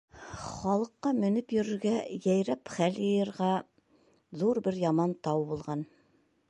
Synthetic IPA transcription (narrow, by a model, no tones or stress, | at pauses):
χɑlˠɤ̆qːɑmɵ̆nɘpjɵ̆ɾɵ̆ɾɡæjæjɾæpχæljɤ̆jɤ̆ɾʁɑ | ðuɾbɘɾjɑmɑnt̪ɑwbulˠʁɑn